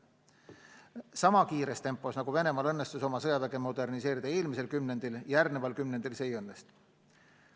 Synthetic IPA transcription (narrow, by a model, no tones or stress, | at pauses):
sɑmɑkiːɾest̪e̞mpːˑo̞snɑɡ̥uve̞ne̞mɑːlɤnːest̪uso̞mɑsɤjɑvæɡe̞mo̞d̪e̞rnise̞ːɾid̪̥ɑe̞ːlmise̞lkymne̞nd̪iljɑjærnevɑlkymnend̪ilse̞jɤnːest̪